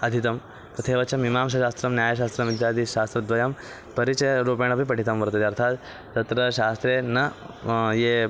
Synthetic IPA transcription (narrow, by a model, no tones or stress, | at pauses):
ɐd̪ʱit̪ɐm | k̪ɐt̪ʰeːʋɐt͡ʃɐmimaːmʃ̬ɐʃaːst̪ɾɐmnjaːjɐʃ̬aːst̪ɾɐmid̪jaːd̪iʃaːst̪ɾɐd̪ʋɐjɐm | pɐɾit͡ʃɐjɐɾuːpeːɳ̃ɐpipɐʈʰit̪ɐmʋɐɾt̪ɐt̪iɐɾt̪ʰaːt̪ | t̪ɐt̪ɾɐʃaːst̪ɾeːnɐ | jeː